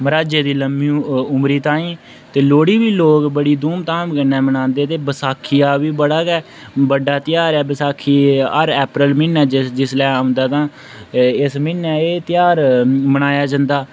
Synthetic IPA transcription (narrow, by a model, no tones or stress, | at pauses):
məɾaːd͡ʒeːd̪iːləmiʊmɾiːt̪ãːĩː | t̪eːloːɽiːbiːloːkbəɽiːd̪uːmt̪aːmkənːɛːmənãːnd̪eːt̪eːbəsaːkʰːijaːʋiːbəɽaːɡɛː | bəɖaːt̪ɪjaːɾɛːbəsaːkʰːiːəɾɛːpɾəlmɪnɛːd͡ʒd͡ʒɪslɛːaːʊ̃nd̪aːt̪ãː | ɪsmɪnɛːeːt̪ɪjaːɾməɽ̃aːjaːd͡ʒə̃ːnd̪aː